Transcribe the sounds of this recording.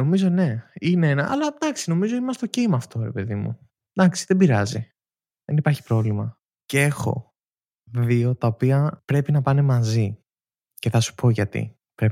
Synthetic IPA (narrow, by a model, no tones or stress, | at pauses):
no̞mizo̞ne̞ineenɐʔɐ̰lɐd̪ɐksino̞mizo̞imɐst̪o̞cimɐːft̪o̞ɾe̞̰pe̞ðimṵ | d̪ɐksi̥ðe̞biɾɐzi | ðe̞nipɐɾçi̥pɾo̞vlimɐ | ce̞xo̞̰ | ðio̞t̪ɐopiɐpɾe̞pinɐpɐne̞mɐzi | ce̞θɐsu̥pʰo̞ʝɐt̪ḭ | pɾep